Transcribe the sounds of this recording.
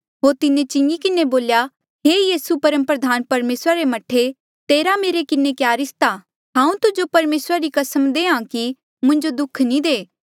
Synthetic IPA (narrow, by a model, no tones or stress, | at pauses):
ɦoːɾt̪ɪnẽt͡ʃɪ̃ŋɡikɪneboːlja | ɦeːjiːsupɐɾəmpɾɐd̪ʱaːnpɐɾmeːsɾaɾemɐʈʰe | t̪eːɾameːɾekɪnẽkjaːɾɪst̪a | ɦãːũt̪ʊd͡ʒopɐɾmeːsɾaɾikɐsəmd̪eːãki | mʊ̃ɲd͡ʒod̪ʊkʰnĩd̪eː